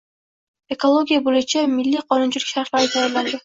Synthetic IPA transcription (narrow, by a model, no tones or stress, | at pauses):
e̞kolˠo̞ɡʲijabolʊjt͡ʃʰamɪlːiqʰɒnʊnt͡ʃʰɪlykʲʃaɾt̪lˠaɾɪt̪ʰajaɾland̪ɪ